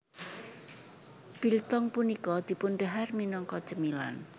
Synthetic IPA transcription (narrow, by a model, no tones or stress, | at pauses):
b̥ilt̪ɔŋpunikɔd̪̥i̤punɖaɦarminɔŋkɔt͡ʃəmila̰n